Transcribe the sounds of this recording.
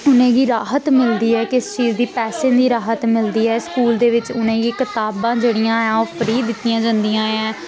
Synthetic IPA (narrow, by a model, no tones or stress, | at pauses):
ʊnẽːɡiːɾaːɦət̪mɪld̪iːɛːkɪst͡ʃiːzd̪iːpɛːsẽːnd̪iːɾaːɦət̪mɪld̪iːɛːskuːld̪eːʋɪt͡ʃʊnẽːɡiːkɪt̪aːbãːd͡ʒeːɽijãːɛ̃ːoːfʰəɾiːd̪ɪt̪ːɪjãːd͡ʒãːnd̪ijãːɛ̃ː